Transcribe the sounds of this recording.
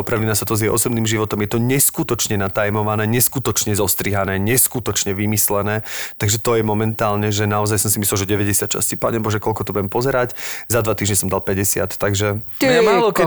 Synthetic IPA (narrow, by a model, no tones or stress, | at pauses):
ɔpɾalinasat̪ɔzjɛjʔɔ̰sɔbniːmʒiʋɔt̪ɔmjɛt̪ɔɲɛskut̪ɔt͡ʃɲɛnat̪ajmɔʋanɛːɲɛskut̪ɔt͡ʃɲɛzɔst̪ɾiːɦanɛːɲɛskut̪ɔt͡ʃɲɛʋimislɛnɛːt̪aɡʒɛt̪ɔjɛmɔmɛnt̪aːlɲɛʒɛnaɔzajsɔmsimislɛlˠʒɛɟɛʋɛɟɛsɪat̪t͡ʃa̰scipaːɲɛbɔʒɛkɔʎkɔt̪ɔbuɛmpɔzɛɾaczad̪ʋat̪iːʒɲɛsɔmd̪alˠpɛɟɛsɪa̰t̪ːaɡʒɛɛmaːlɔkɛ